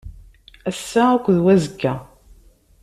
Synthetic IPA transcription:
æsːæækʷːðwæzəɡːæ

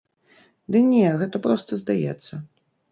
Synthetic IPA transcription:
d̪ɨnʲɛɣɛt̪ɐpɾɔst̪ɐzd̪ajɛ̰t̪sːɐ

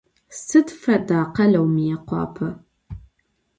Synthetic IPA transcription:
sɨtfɐdaːqɐlɐwmijɛqʷɑ̰ːpʰɐ

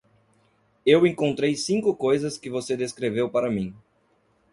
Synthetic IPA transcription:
ewẽŋkõnt̪ɾejsĩŋkʊkojzɐskɪvosed̪eskɾevewpaɾɐmĩ

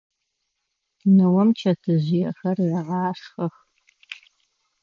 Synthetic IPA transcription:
nɨwɐmt͡ʃʰɐtʰɨʑɪjɛxɐrjɐʁɑːʂxɐx

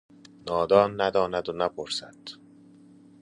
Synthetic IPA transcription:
nɒːd̪ɒːnːæd̪ɒːnæd̪onæpʰoɾsæd̪̥

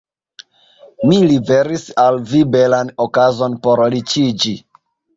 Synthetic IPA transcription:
milibeɾisalvibelanokazo̞npoɾlit͡ʃid͡ʒi

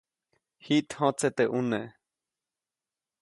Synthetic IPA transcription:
hiʔt̪hõt͡set̪eʔuneʔ

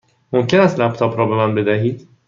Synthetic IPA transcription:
momcʰenæst̪læp̚t̪ʰɒːbɾɒːbe̞mænbe̞d̪æɦiːd̪̥

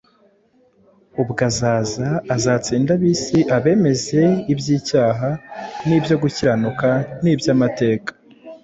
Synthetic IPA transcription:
ubɡazaːzaːzaːt͡siːndaβiːsiʔaβe̞ːme̞ze̞ibjiːcaːɦaniːbjo̞ɡuciɾanukaniːbjamate̞ːkḁ

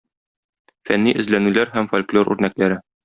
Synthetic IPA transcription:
fænːiʔɘ̆zlænʉlæɾɦæmfolʲklʲˠoɾʔʉ̰ɾnæklæɾɘ

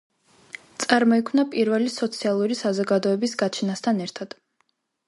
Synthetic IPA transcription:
t̪sʼaɾmɔikʰmnapʼiɾvɛlisɔt̪sʰialˠuɾisazɔɡad̪ɔɛbisɡat͡ʃʰɛnast̪ʰanɛɾt̪ʰad̪̥

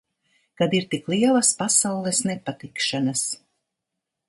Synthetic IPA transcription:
kad̪iɾt̪iklˠiɛlˠaspasawlˠɛsnɛpat̪ikʃanas

